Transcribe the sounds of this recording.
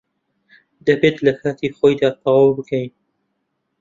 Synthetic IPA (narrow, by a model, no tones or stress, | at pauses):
d̪ɐbeːt̪lɐkʰaːt̪ʰiːxoːjd̪aːt̪ʰɑwɑwbɨkʰɐjn